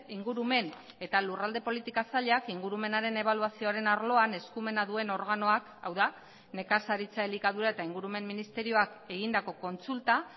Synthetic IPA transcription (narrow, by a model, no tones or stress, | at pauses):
iŋɡuɾume̞n | e̞t̪alurald̪e̞po̞lit̪ikasaʎakiŋɡuɾume̞naɾe̞ne̞β̞aluasio̞aɾe̞naɾlo̞ane̞skume̞naðue̞no̞ɾɣano̞akawða | ne̞kasaɾit͡saelikaðuɾae̞t̪aiŋɡuɾume̞mːinist̪e̞ɾio̞ak | e̞ɣind̪ako̞ko̞nt͡sult̪a